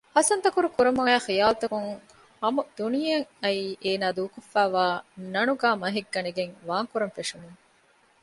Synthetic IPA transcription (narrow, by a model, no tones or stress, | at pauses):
hɐsɐnt̪ɐkuɾukuɾɐmuŋæːxijaːlt̪ɐkuŋ | hɐmud̪̥unijɐŋɐiːʔeːnaːd̪uːkofːæːʋaːnɐnuɡaːmɐɦiɡːɐniɡeŋʋaːŋkuɾɐnfeʂuneː